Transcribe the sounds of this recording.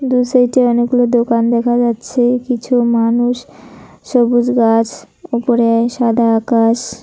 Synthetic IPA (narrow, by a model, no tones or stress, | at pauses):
d̪usajʈeɔneɡ̚ɡulod̪okand̪ɛkʰad͡ʑatːɕʰekit͡ɕʰumanuʃ | ʃɔbod͡ʑɡat͡ɕʰ | upoɾeaʃad̪ʱaakaʃ